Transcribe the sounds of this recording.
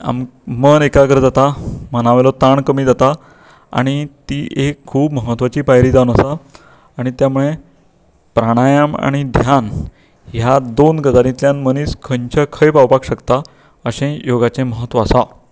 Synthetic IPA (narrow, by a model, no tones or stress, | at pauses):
a̰mmənekaɡəɾd͡zat̪amənaʋlɔt̪aɳkəmiːd͡zat̪a | a̰ɽ̃it̪iːʔekʰːuːbməɦət̪ːʋat͡ɕiːpajɾiːd͡zaunəsaː | ɽ̃it̪jamuɭe | pɾaɽ̃ajama̰ɽ̃id̪ʱjan | jad̪onɡəd͡zaɾĩt̪ljãnməniːskʰəɲt͡ɕʰəkʰəjpawpakɕəkt̪a | əɕẽjoɡat͡ɕẽməɦət̪ʋaːsa